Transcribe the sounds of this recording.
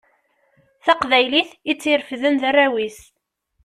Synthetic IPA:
θæqvæjliθit͡sːiɾfðənðærːæwis

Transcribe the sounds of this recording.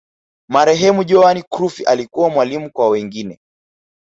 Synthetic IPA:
maɾɛɦɛmuʄɔanikɾufiʔalikuwamwalimukwawɛŋɡinɛ

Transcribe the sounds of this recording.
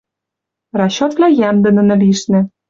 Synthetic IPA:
rɑɕot̪vlʲæjæmd̪ə̆nə̆nɤ̆liʃnɘ̆

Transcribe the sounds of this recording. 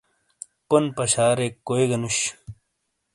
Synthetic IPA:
ponpɐɕaːɾekːojɡɐnuɕ

